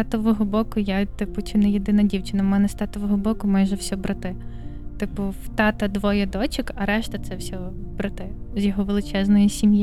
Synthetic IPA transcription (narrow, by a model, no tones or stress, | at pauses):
st̪ɑt̪ɔʋɔɦɔbɔkʊjat̪ɪpʊt͡ʃʲunɛjed̪ɪnɐdʲiwt͡ʃɪnɐmɛnɛst̪ɑt̪ɔʋɔɦɔbɔkʊmajʒɛwsʲɔbɾɐt̪ɪt̪ɪpʊwt̪ɑt̪ɐd̪ʋɔjɛd̪ɔt͡ʃɪkɐɾɛʃt̪ɐt̪sɛwsʲɔbɾɐt̪ɪzʲjɔɦɔʋelˠɪt͡ʃɛznɔjisʲimjɪ